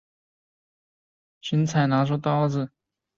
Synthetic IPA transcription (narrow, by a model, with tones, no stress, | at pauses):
t͡ɕi˧˥nt͡sʰa˨˩ɪna˧˥ʈ͡ʂʰu˥˩t̪ɑ˥ʊd͡z̩˧˨